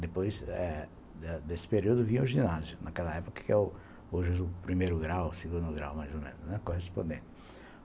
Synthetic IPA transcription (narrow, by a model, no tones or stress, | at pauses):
d̪epojzɛ | d̪ɛd̪esɪ̥peɾiuwd̪ʊvĩɐ̃ʊʒĩnazjʊnakɛlɐɛpokɐ̥kɪɛʊ | oʒzʊpɾimejɾʊɡɾawseɡũd̪ʊɡɾa̰wmajzomḛ̃nʊznɛkohespõd̪ẽt̪ɪ